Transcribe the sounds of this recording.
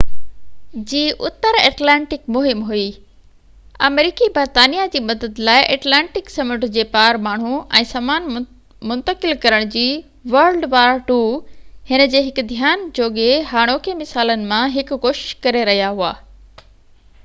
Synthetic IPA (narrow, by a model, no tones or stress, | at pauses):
d͡ʑiːʔʊt̪əɾḛːʈlɛ̃ːɳʈɪkmʊɦɪmɦui | ɐmɾiːkibɐɾt̪aːnijad͡ʑiːmɐd̪əd̪laːɪʔeːʈlɛ̃ːɳʈɪksɐmʊʈd͡ʑeːpaːɾmaːɳ̤uɛ̃ːsaːmaːn | mʊ̃nt̪əkɪlkɐɾəɽ̃d͡ʑiː | ʋɐɾlɖʋaːɾʈuːhɪnə̆d͡ʑeːɦɪkd̪ʱjaːnd͡ʑoːɠeɦaːɽ̃oːkʰemɪsaːlənɪ̆mãɦɪkʊkoːʃɪ̥ʃkɐɾeɾɐɦijaɦuaː